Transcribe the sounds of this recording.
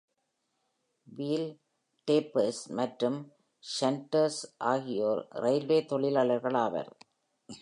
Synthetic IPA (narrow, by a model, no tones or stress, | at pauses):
ʋiːl | ʈeːpɐɾsmɐʈɾɯm | ʃɐnʈɐɾsʔaːɣɪjoːɾɾɐɪlʋeːt̪ɔɭɪlaːlɐɾɣɐɭaːʋɐ̰ɾ